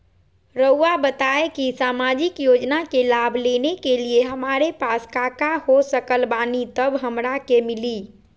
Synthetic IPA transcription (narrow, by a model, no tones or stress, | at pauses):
ɾəuabət̪aekisaːmad͡ʒikjod͡ʒnakelabʱlenekelieɦəmaɾepaskakahosəkəlbanit̪əbɦəmɾakemɪli